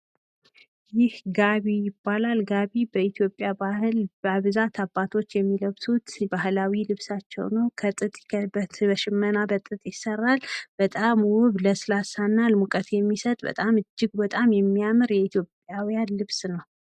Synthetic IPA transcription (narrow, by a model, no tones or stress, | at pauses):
jɪhɡaβijɪbːalalɡaβibəit̪ʰjo̞pʼjabahlbaβzat̪ʰabat̪ʰo̞t͡ʃːjɛmːiləβsut̪bahlawilɨβsat͡ʃːɛ̰wnəwkʰət̪ʼɨt̪ʼkʰəbət̪bəʃɪmːənabət̪ʼɨt̪ʼjɪsərːalb̥ət̪ʼamwʊβləsɨlasanːalmukʼət̪ʰjɛmːisət̪ʼbə̰t̪ʼamɨd͡ʒːɪɡbət̪ʼamjɛmːijamɨɾjɛit̪ʰjo̞pʼːjawijanlɨβsnəw